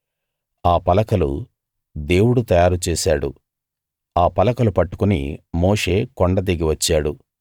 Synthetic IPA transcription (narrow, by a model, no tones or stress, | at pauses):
aːpɐlɐkɐlṵ | d̪e̞ːwuɽut̪ɐjaːɾut͡ʃeːsaːɽṵ | aːpɐlɐkɐlupɐʈːu̥kunḭmo̞ːʂe̞ːkoɳɖɐd̪iɡiʋɐt͡ʃːaːɽu